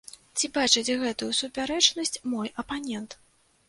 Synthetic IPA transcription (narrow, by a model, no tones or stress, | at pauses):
t͡sʲibat͡ʂɨt͡sʲɣɛt̪ujusupʲaɾɛt͡ʂnɐsʲt͡sʲmɔjʔɐpanʲɛnt̪